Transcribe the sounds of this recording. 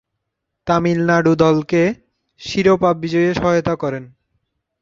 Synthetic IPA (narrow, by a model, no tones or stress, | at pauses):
t̪amilnaɖud̪ɔlke | ʃiɾopab̚ːid͡ʑɔjeʃɔɦajot̪akɔɾen